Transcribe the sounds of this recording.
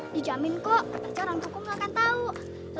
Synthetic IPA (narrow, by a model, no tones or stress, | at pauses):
did͡ʒamɪnkɔʔpərt͡ʃɔɾaŋt͡ʃukʊmakant̪au | l